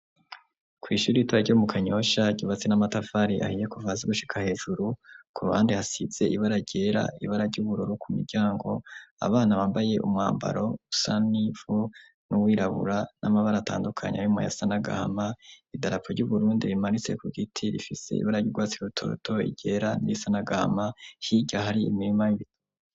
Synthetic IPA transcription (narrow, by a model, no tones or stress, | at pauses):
kʰwiːʃuːɾiitoaɾɟomukʰaɲo̞ʃaɟiβat͡se̞namatafaɾiʔa̰hijekuvaːzeɡuʃi̥kʰahe̞ːʒuɾukuɾuhaːndihasibz̥e̞iβaɾaɟ̥e̞ːɾa̰iβaɾaɾɟuβuɾuɾukʰumḭɾɟaːŋɡo̞a̰βaːnaβaːmbaje̞ʔṵmŋaːmba̰ɾo̞usanivu | nuwiːɾaβṵɾanʔamaβaɾata̰ːndukʰaɲeaimaja̰sanaɡa̰ha̰maidaɾapʰoɾɟuβuɾuːndiɾimanit͡se̞kuɡitʰiɾḭfise̞̰ḭβaɾaɟuɡwaːt͡siɾutʰo̞̰ːtʰo̞ḭɟ̥e̞ːɾaniisanaɡaa̰mahiɟahaɾiḭmiɾimajiβit